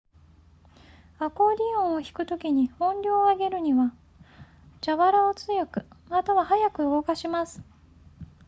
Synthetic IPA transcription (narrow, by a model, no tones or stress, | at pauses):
ako̞ːɾʲiõɰ̃oçi̥kɯ̟t̪o̞kʲiɲ̟ihõ̞nɾʲo̞ːaɡe̞ɾɯ̟ɲ̟iβa | d͡ʑaβaɾaot͡sɨjo̞kɯ̟mat̪aβahajakɯ̟ɯɡo̞kaɕimasɨ̥